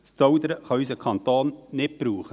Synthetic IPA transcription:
st͡sɔwd̪əɾəχɑysəkʰɑnt̪oːnnɪt̚b̥ɾuːχə

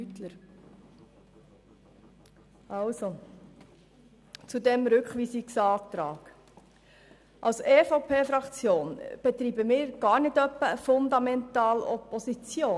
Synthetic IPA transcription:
yt̪ləɾ | ɑʊso | t͡sud̪ɛmɾʏkχʋiːsiksɑːkt̪ɾɑːk | ʔɑlseːfopʰeːfɾɑkt͡sjoːnb̥ɛt̪ɾiːbəmɪːɾɡ̥ɑːɾnɪdœpːəfʊnd̪ɑmɛnt̪ɑːlɔ̰pːɔsit͡sjoː

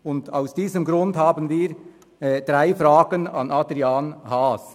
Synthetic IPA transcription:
ʊndaʊsd̥iːzəmɡɾʊndhaːbənviːʁ | d̥ʁaɪfraːɡənɑ̰nʔɑdʁiaːnhaːs

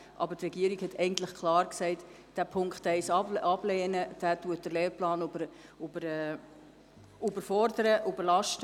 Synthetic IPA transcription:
ʔɑ̰bətrɛɡiəɾikhɛtʰɛɪɡən̩t̪lɪχkʰlɑːɾksɛɪt | d̥æːpʰʊŋkχtɛɪsɑblɛːnəd̥æːtuət̚d̥əleːɾplɑːnbəɾ | ubəɾɛ | ubəɾfɔɾdəɾəʔubəɾlɑʃtə

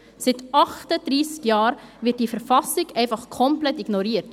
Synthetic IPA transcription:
sɪtɑχtəd̥ɾiːskjɑːɾvɪt̚d̥iːfəɾfɑsɪɡɛɪfɑχkʰɔmplɛtiɡnɔɾiːɾt

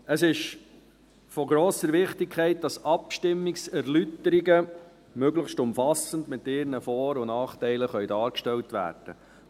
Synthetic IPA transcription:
əsɪʃ | fɔɡɾoːsəɾʋɪχtɪkʰχɛɪt̚d̥ɑsɑpʃtɪmːɪksæɾlytəɾiɡə | møɡləχʃtʊmfɑsəndmɪt̪ːɪɾnəfɔːɾʊnɑːχtɛɪləχœɥdɑːɾkʃtɛltʋæ̰ːɾd̥ə̰

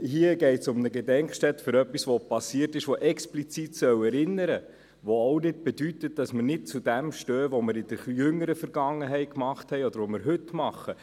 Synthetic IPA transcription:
hiəɡɛɪtsʊmnəɡedɛŋkʃtɛtføɾœpːisʋopɑsiːərtɪʃʋoʔɛksplit͡sitsœwɛɾɪnːəɾə | ʋoɔʊnɪd̚b̥ɛdytət̚d̥ɑsmənɪt̚t͡sudæmʃtøːʋoməɾɪd̥əɾjʏŋəɾəfəɾɡ̥ɑŋːəɦɛɪt̚kmɑχthɛɪɔd̪əɾʋoməɾɦɵtmɑχːə

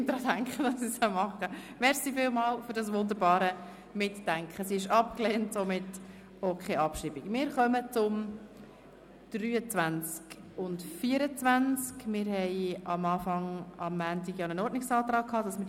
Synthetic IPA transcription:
dɾɑdæŋkχəd̥ɑsishəmɑχəmɛɾsifɪːlmɑːlfʏɾdɑsʋʊnd̪əɾbɑːɾə | mɪtːæŋkʰχəsiɪʃɑp̚kleːntsomɪt | okʰeːʔɑpʃɾibikmɪːɾχœmət͡sʊm | d̥ɾyːət͡sʋænt͡sk | ʊntfiːəɾət͡sʋænt͡skmɪɾhɛɪɑmɑːfɑŋɑmːæːntɪɡjɑnənɔɾdnɪksɑːt̪ɾɑːkʰhɑːd̥ɑsmɪɾ

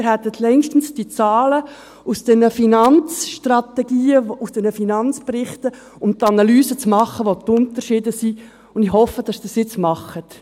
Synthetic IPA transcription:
ɪɾɦɛt̪ːətʰlɛŋʃtn̩sd̥it͡sɑːlə | usd̥ɛnəfinɑnt͡sʃtrɑt̪ɛɡiːəusd̥ɛnəfinɑnt͡sprɪχtə | ʊmt̪ɑnɑlyːsət͡smɑχəʋot̪ʊnt̪əɾʃiːdəsi | ʊndɪhɔfəd̥ɑsd̥ɑsjɪt͡smɑχət

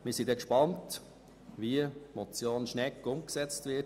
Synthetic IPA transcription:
mɪɾsid̪ɛkʃpɑnt | viəmɔt͡sjoːnʃnɛkːʊmksɛt͡stvɪt

